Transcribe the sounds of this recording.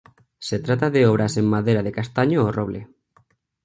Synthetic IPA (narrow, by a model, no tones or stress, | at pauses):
set̪ɾat̪aðeɔβ̞ɾasemmaðejɾaðekast̪aɲoːroβle